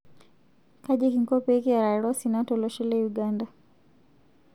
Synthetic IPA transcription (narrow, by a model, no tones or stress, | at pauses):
kaʄikiŋkɔpɛikijaɾaɛɾɔsinatɔlɔʃɛlɛjuɡanda